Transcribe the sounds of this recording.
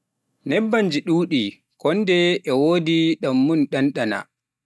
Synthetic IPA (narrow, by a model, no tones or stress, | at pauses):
nɛbːaɲd͡ʒiɗuːɗi | kɔndɛɛwoːdiɗamːunɗanɗana̰